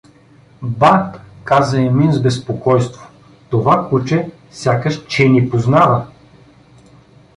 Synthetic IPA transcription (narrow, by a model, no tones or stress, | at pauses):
bakazɐɛminzbɛspokɔjst̪vo̥ | t̪ovakut͡ʃɛ | sʲjakəʃt͡ʃɛnipoznavə